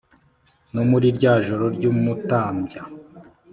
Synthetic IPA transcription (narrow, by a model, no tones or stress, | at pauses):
nomuɾiɾɟaːʒoɾoɾɟuːmutaːmɟa